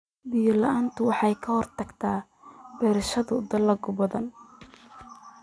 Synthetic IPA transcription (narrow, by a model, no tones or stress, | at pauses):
bijɐlɐʔaːnt̪ʰʊwɑħɑjkʰɐhɔrt̪ʰɐɡt̪ʰaː | bɛːɾɐʃɐðʊd̪ɐlɐɡʊbɐðɐn